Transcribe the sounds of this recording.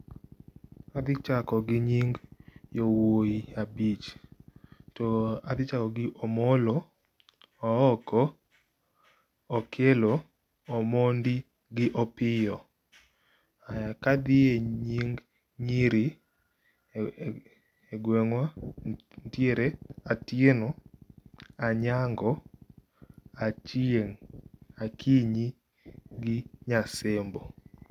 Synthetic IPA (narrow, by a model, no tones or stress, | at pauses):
ad̪ɪt͡ʃakɔɡɪɲiŋɡjowoiabit͡ʃ | toad̪ɪt͡ʃakɔɡɪʔɔmɔlɔ | ɔɔkʰɔ | kʰelɔ | ɔmondi | ɡɪʔɔpɪjɔ | aakad̪ɪeɲiŋɡ | ɲiɾi | eɡwɛŋwa | ntjeɾeatjenɔ | aɲaŋɡɔ | at͡ʃieŋakʰiɲi | ɡɪɲasembɔ